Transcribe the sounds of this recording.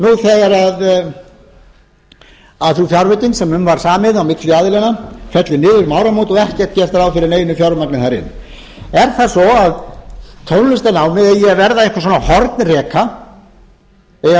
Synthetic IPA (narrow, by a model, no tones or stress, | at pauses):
nuθɛɣaɾað | aðθufjawɾvɛjt̪inksɛmʏmːvaɾ̥saːmɪðawmɪt̪lʏaːðɪlɛnafɛt̪lɪnɪːðʏɾmawɾamot̪ɔɣɛhcɛr̥t̪̚cɛr̥t̪ɾawfɪɾɪɾneːjɪnʏfjawɾmaknɪθaɾɪ̰n | ɛɾ̥θasɔaðt̪ʰownlʏst̪anaːwmɪðɛjɛvɛɾðaejhkɾsɔːnahɔɾt̪nrɛːkʰa | ɛ